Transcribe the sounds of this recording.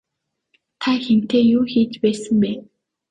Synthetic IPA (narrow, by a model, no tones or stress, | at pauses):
t̪ʰaxem̥t̪eːjuːxiːt͡ɕpæːsə̆mpæːn